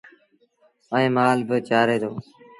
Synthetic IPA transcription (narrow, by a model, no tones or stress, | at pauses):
əẽːmaːlbɪt͡ʃaːɾeːd̪oː